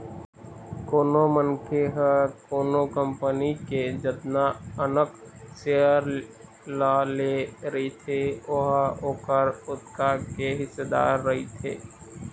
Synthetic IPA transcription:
koːnomənkʰeɦəkoːnokəmpəniked͡ʒət̪naənəkseəɾ | laleɾəit̪ʰeoɦokəɾʊt̪kakeɦɪsed̪a̰ːɾːɐɦit̪ʰḛː

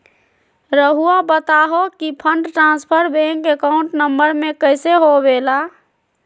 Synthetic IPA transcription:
ɾəɦuabət̪aɦokipʰəɳɖʈɾãnspʰəɾbẽŋkekaʊ̃ɳʈnəmbəɾmekəɪseɦobela

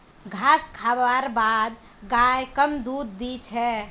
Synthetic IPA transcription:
ɡʱaskʰabaɾbad̪ | ɡajkəmd̪ud̪ːit͡ʃʰɛ

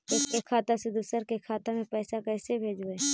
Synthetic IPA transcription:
ʊkekʰaːt̪ased̪ʊsəɾkekʰaːt̪amẽpɛːsakɛːsebʱeːd͡ʒoeː

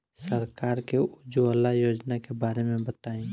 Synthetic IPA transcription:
səɾkaːɾkeʊd͡ʒuɐlːaɦjoːd͡ʒnakebaːɾemẽbət̪aːẽː

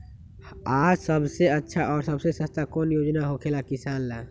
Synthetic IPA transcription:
aːd͡ʒsəbseətːʃʰaʔɔːɾsɐbsesəst̪akɔːnjoːd͡ʒnaɦokʰelakɪsaːnlaː

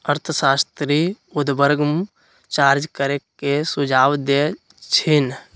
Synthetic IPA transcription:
əɾt̪ʰəsaːst̪ɾi | ʊd̪bəɾɡm | t͡ʃaːɾd͡ʒkəɾekesʊd͡ʒʱaːwd̪e | t͡ʃʰɪn

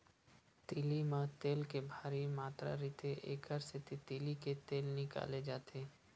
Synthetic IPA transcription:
t̪ilimãt̪eːlkebʱaːɾimaːt̪ɾa̰ɾiːt̪eʔḛːkəɾset̪et̪iliket̪eːlnɪka̰ːled͡ʒaːt̪ʰeː

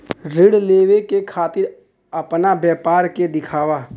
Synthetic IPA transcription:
ɾɪɽleːwekekʰaːt̪ɪɾ | ɐpnabjɛːpaːɾked̪ɪkʰaːwa

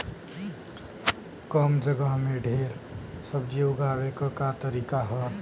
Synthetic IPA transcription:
kəmd͡ʒəɡəɦmeɖʱeːɾsəbd͡ʒiʊɡʱaːwekakat̪əɾiːkaɦə

